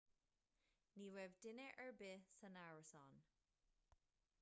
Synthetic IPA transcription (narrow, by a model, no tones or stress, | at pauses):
niːwɛvdɪnəʔəɹbɪsənaɹəsɑn